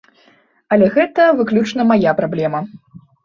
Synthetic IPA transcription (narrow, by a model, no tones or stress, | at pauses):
ɐlʲɛɣɛt̪ɐvɨklʲut͡ʂnɐmajapɾablʲɛmɐ